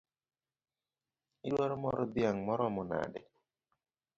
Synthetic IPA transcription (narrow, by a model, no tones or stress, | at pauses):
ɪɗwaɾɔmɔɾɔbjaŋmɔɾɔmʊna̰dɛ̰